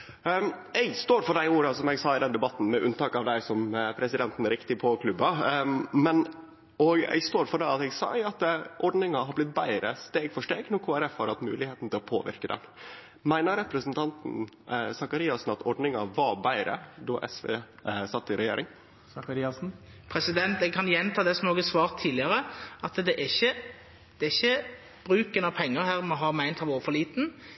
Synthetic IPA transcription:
ɛɪɡst̪oːɾfɔɖæɪuːɾɑsɔmɛɡsɑːɪd̪ɛnd̪ɛbɑt̪ːn̩mɛʔʉnt̪ɑːkɑʋd̪æɪsɔmpʰɾɛsɪd̪ɛnt̪n̩ɾɪkt̪ɪpʰɔkʰlʉbːɑmɛn | ɔɡɛ̰ɪɡst̪oːɾfɔɖæɪɑt̪ɛɡsɑ̰ɑt̪ʔɔɖnɪŋɑɦɑblɪt̪̚bæɪɾəst̪eːɡfɔʂʈeːɡnɔɾkʰoːæɾɛfhɑɾhɑt̪mʉ̰ːlɪheːt̪n̩t̪ʰɪlɔpʰo̰ːʋɪ̰ɾkəd̪ɛ̰n | mæɪnəɾɛpɾəsnt̪ʰɑnt̪n̩sɑkɑɾiːɑsn̩ɑt̪ɔɖɳɪŋɑʋɑbæɪɾə̰d̪ɔʔɛ̰sʋḛːsɑt̪ːɪɾɛjḛːɾɪŋ | sɑkɑɾiːɑsn̩pʰɾɛsɪd̪ɛnt̪ɛɡ̚kʰɑnjɛnt̪ʰɑːd̪ɛsɔmoːɡɛsʋɑːʁt̪ʰːiːlɪɑɾəɑt̪d̪ɛʔɛçə | d̪̥ɛɪçːə | b̥ɾʉːkənɑpʰɛŋːəɾhæːʁmɔɦɑːmæɪnt̪hɑʋuːfɔliːt̪n̩

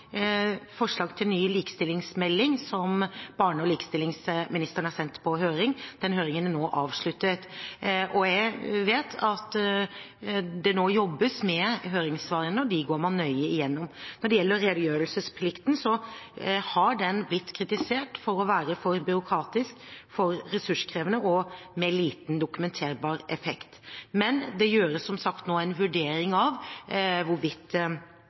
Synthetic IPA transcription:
fɔʂɭɑːɡt̪ʰɪlnyːliːkə̥st̪ɪlːɪŋsmɛlːɪŋsɔmb̥ɑːɳəɔliːkəst̪ɪlːɪŋsmɪnɪst̪əɾəɳ̩hɑɾsɛnt̪pʰɔɦøːɾɪŋd̪̥ɛnɦøːɾɪŋənænoːʔɑːʋʂɭʉt̪ːət̪ʔɔjæɪʋeːt̪ʰɑt̪ | d̪ɛnoːjɔbːəsmɛɦøːɾɪŋsʋɑːɾənəɔd̪ɪɡoːɾmɑnːœʏəɪjɛnːɔmnɔɖɛjɛlːəɾɾeːd̪ʊjøːɾəlsəspʰlɪkt̪nsɔ | hɑɖɛnblɪt̪ːkʰɾɪt̪ɪseːʈfɔɾɔʋæːɾəfɔɾbʏɾʊkʰɾɑːt̪ɪskfɔɾːɛsʉʂkʰɾeːʋənəʔɔmɛliːt̪nd̪ʊkʉmɛnt̪ʰeːɾbɑːɾɛfɛkt̪mɛnd̪ɛjøːɾəsːɔmsɑkt̪noːæɪnʋʉɖeːɾɪŋɑʋʋʊɾʋɪt̪ː

